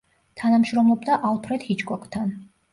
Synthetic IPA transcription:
t̪ʰanamʃɾɔmlˠɔbd̪aʔalˠpʰɾɛd̪̥hit͡ʃʰʼkʼɔkʼt̪ʰan

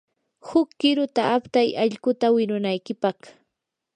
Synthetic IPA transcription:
hʊkːɪɾʊt̪aʔːpt̪ajɑʎkʊt̪awɪɾʊnajkɪpɑχ

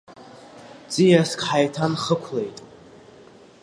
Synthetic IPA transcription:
d͡zʼijaskʰʼħajtʰanχəkʷʰlejtʼ

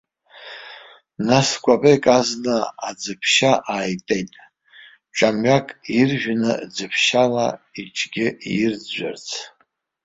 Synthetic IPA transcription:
naskʷʼapʼekʼaznaːd͡zɨpʰʃaʔaːjtʼe̞jtʼ | ʈ͡ʂʷʼamɥakʼirʒᶣnɨ̰d͡zɨpʰʃalait͡ʃʰʼɡʲɪjɪrd͡zd͡ʒʷa̰rt͡sʰ

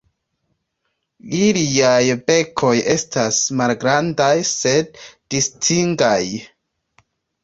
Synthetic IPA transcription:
iliajbe̞kʰo̞je̞stasmalɡɾandajse̞d̥̚ː | istʰiŋɡaj

